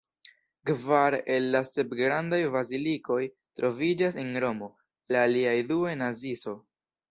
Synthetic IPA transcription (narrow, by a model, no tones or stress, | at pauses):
kvaɾelːase̞bɡɾandajvaziliko̞j | tɾo̞vid͡ʒasenɾo̞mo̞ | laːliajduenaziso̞